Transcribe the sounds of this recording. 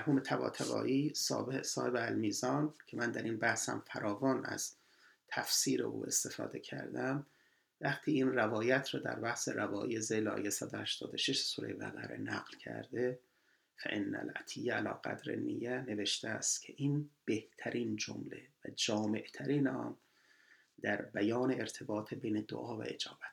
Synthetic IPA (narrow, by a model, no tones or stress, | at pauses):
mæɾhuːme̞t̪ʰæbɒ̰ːt̪ʰævɒ̰ːʔiːsɒ̰ːbehesɒːhebeælmiːzɒːncʰemænd̪æɾiːnbæhshæ̰mfæɾʔɒːvɒːnæ̰z̥ | t̪ʰæfsiːɾeʔṵːe̞̰st̪e̞fɒ̰ːd̪e̞cʰæ̰ɾd̪æm | væχt̪ʰiːiːnrævɒːjæt̪ʰɾɒːd̪æ̰ɾbæhse̞ɾævɒːʔiːezejleɒ̰ːjesæd̪ohæʃt̪ʰɒːd̪oʃeʃsuːɾejebæ̰ɣæɾe̞̰næɣlcʰæ̰ɾd̪e̞ | fæʔenːæ̰lʔæ̰t̪ʰijːæælɒ̰ːɡæd̪ɾḛnːʔḭjːæne̞veʃt̪eæst̪cʰe̞ʔiːnb̥e̞ht̪ʰæɾʔiːnd͡ʒo̰mlevæd͡ʒɒːme̞ʔt̪ʰæɾiːnɒ̰m | d̪æɾbæjɒːneeɾt̪ʰe̞bɒːt̪ʰebe̞jned̪o̰ʔɒːvæ̰ed͡ʒɒːbæt̪